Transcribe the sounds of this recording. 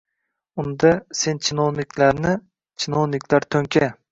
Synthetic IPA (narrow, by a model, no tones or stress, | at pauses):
ʊnd̪ase̞nt͡ʃʰɪnownɪkʲʰlaɾnɪ | t͡ʃʰɪnownɪkʲlaɾt̪ʰɵŋkʲʰa